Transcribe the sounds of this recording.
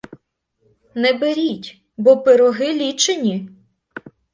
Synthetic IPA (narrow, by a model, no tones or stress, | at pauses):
nɛbeɾʲitʲ | bɔpeɾɔɦɪlʲit͡ʃenʲi